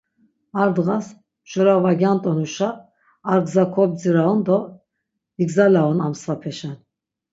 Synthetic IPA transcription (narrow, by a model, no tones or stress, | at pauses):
aɾd̪ɣas | ʒ̥ɔɾavaɡjant̪ʼɔnuʃaː | ɾɡzakʰɔb̚d͡ziɾaɔnd̪ɔ | viɡzalaɔnamsvapʰɛʃɛn